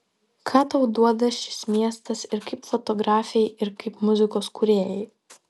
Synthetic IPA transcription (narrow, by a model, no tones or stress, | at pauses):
kʰɑːt̪ɐʊd̪uɔd̪ɐʃʲɪ̥smʲiɛst̪ɐsɪɾkɐɪpfɔt̪ɔɡɾɑːfʲɛɪɪɾkɐɪpmʊzʲɪkoːskuɾʲeːjɛɪ